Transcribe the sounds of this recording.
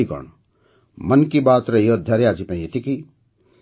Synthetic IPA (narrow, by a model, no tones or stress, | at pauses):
iɡə̰ɳ | mɐnkibaːt̪ɾɐjod̪ʱjaɾjaːd͡ʒipẽjet̪ʰiki